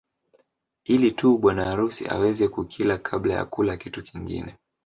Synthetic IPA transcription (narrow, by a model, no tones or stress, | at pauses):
ilituːɓwanaːɾusḭʔa̰wɛzɛkukʰilakʰaɓlaja̰kulakitukiŋɡḭnɛ